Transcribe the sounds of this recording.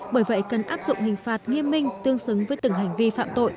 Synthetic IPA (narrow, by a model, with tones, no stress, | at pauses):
ɓəː˧˩jvə̰˧˨jkə˨˩nʔaː˦˥p̚zʊ̰˧˨ŋ͡mhï˨˩ŋ̟faː˨˩t̚ŋi˧əmːï˧ŋ̟t̪ɨ˧əŋsɨ˨˦ŋvəː˨˦jt̪ɨ˨˧˩ŋɦa˨˩jŋ̟vi˧fa̰ː˧˨mt̪o̰˧˨j